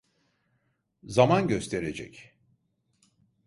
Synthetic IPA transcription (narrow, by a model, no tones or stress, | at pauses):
zamanɟø̞st̪ʰe̞ɾe̞d͡ʒɛ̰c